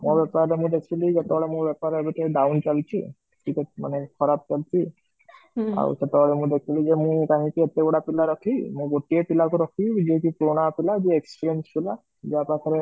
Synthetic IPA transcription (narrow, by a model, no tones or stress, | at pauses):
mɔ̃bɛpaɾlemũd̪ekʰilid͡ʒɔt̪ɛbɔɭemũbɛpaɾebɛʈeɖawnt͡ʃalt͡ʃʰḭ | ʈʰikɛma̰nekʰɔɾap̚t͡ʃalt͡ʃʰi | a̰w̰sɛt̪ɛɔɭemũd̪ekʰilid͡ʒemũjkaɦĩkiet̪eɡɔɽapilaɾɔkʰimũɡoʈiepilakuɾɔkʰid͡ʒiekipɾoñapilad͡ʒiekspiɾenspila | d͡ʒiapakʰaɾe